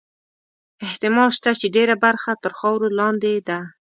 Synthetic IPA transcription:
ɪht̪ɪmɑlʃt̪at͡ʃeɖeɾabaɾxat̪əɾxɑwɾolɑnd̪ed̪a

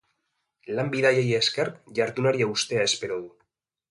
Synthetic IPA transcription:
lambiðajejeːskeɾkʝaɾt̪unaɾiaust̪e̞ae̞spe̞ɾoðu

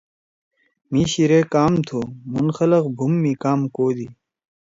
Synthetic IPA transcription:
miːɕiɾekaːmt̪ʰomunxɐlɐqbʱumːikaːmkoːd̪i

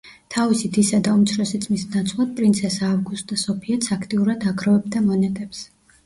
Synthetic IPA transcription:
t̪ʰavisid̪isad̪aumt̪sʰɾɔsit̪sʼmisnat̪sʰvlˠad̪̚pʼɾint̪sʰɛsaːvɡust̪ʼd̪asɔpʰiɛt̪sʰakʰt̪ʼiuɾad̪aɡɾɔvɛbd̪amɔnɛt̪ʼɛps

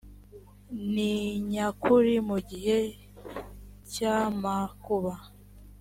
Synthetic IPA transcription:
niɲakʰuɾimuɟihe | camakuβa

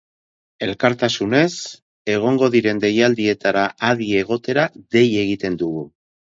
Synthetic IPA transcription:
e̞lkaɾt̪asune̞s | e̞ɣ̞o̞ŋɡo̞ðiɾe̞nd̪e̞jald̪ie̞t̪aɾaʔːðie̞ɣ̞o̞t̪e̞ɾaðe̞je̞ɣit̪e̞nd̪uɣu

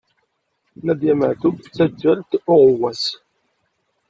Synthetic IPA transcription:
næd̪jæməʕθubt͡sːæd͡ʒːælt̪ʊʁʊwːæs

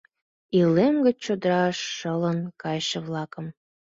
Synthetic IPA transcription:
ilemɡət͡ɕt͡ɕod̪əɾɑʃːələnkɑjʃeβlɑkəm

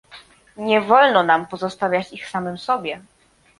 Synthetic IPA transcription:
ɲɛvɔlnɔnampɔzɔst̪avʲjat͡ɕixsamɘmsɔbʲjɛ

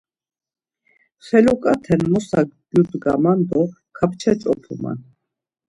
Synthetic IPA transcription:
χɛlɔkʼat̪ʰɛnmɔsakbjut̪ʼɡa̰mand̪ɔ | kʰapʰt͡ʃʰɛt͡sʼɔpʰuma̰n

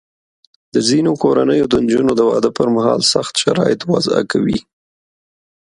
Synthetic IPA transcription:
d̪̥əzinokoɾanəjod̪ənd͡ʒunod̪əwɑd̪əpəɾmahɑlsaxt̪ʃaɾɑjɪt̪wa̰za̰kawi

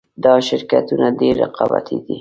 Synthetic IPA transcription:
d̪ɑʃɪɾkat̪unaɖeɾːɪqɑba̰t̪ʰid̪i

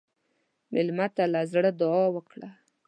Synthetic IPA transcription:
mɪlmat̪alazɽəd̪ʊɑwəkɽa

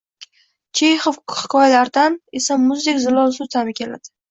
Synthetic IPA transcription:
t͡ʃʰejχofhɪ̥kʰɒjalaɾd̪ane̞samʊzd̪ekʲzɪlˠɒlsʊt̪ʰamɪkʲʰe̞la̰d̪̥ɪ

